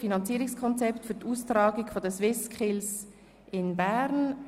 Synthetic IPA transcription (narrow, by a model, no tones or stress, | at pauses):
finɑnt͡siːɾɪŋskʰɔnt͡sɛptfyːtʔuːstɾɑːɡɪɡfodɛsʋɪskʰɪls | ʔɪnbɛʁn